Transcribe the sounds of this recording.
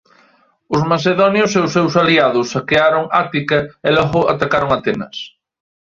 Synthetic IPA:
ʊzmaseðɔnjʊseʊsːewsaliaðʊsːakeaɾʊŋat̪ikɐelɔɣʊʔa̰t̪akaɾʊŋat̪enɐs

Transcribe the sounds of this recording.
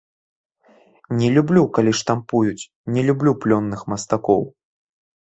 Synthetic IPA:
nʲɛlʲublʲukalʲiʂt̪ampujut͡sʲ | nʲɛlʲublʲuplʲɔnːɨxmɐst̪akɔ̰w

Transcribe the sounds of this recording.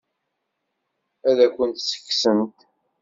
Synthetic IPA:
æðækʷːənt̪sə̥kːsəmt̪

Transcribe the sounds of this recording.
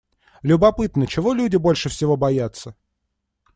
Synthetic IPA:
lʲʊbɐpɨt̪nət͡ɕɪvo̞lʲudʲɪbo̞lʲʂɨfsʲɪvo̞bɐjat̪sə

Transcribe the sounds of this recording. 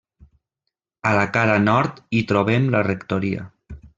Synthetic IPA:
əlakaɾanɔɾt̪it̪ɾoβɛmlərekt̪oɾiə̰

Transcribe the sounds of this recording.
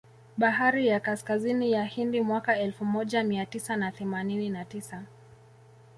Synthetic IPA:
ɓaɦaɾijakaskazinijahindimwakaɛlfumɔʄamiatisanaθɛmanininatisa

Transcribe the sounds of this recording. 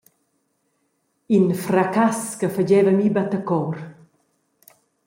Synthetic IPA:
infɾakaskəfəd͡ʒɛːvəmibat̪əkɔɾ

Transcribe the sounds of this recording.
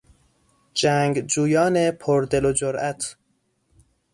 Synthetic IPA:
d͡ʒæːŋɡd͡ʒuːjɒːnepʰoɾd̪e̞lod͡ʒoɾʔæt̪ʰ

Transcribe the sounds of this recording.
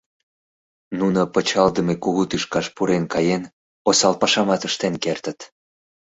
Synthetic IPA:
nunopət͡ɕɑld̪əmekuɣut̪yʃkɑʃpuɾenkɑjen | osɑlpɑʃɑmɑt̪əʃt̪enkert̪ət̪

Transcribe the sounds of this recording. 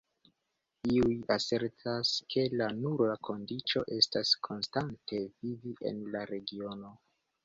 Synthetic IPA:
iujase̞ɾtʰaskʰe̞lanuɾakʰo̞ndit͡ʃo̞ʔe̞staskʰo̞nstantʰe̞viviʔe̞̰nlaɾe̞ɡio̞no̞

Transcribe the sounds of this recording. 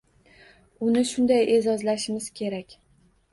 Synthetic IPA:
ʊnɪʃʊnd̪ajʔe̞zɒzlaʃɪmɪz̥kʲʰe̞ɾakʲ

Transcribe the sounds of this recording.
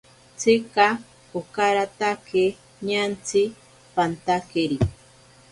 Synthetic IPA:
t͡sʰika | okaɾat̪ake | ɲant͡sʰi | pant̪akeɾi

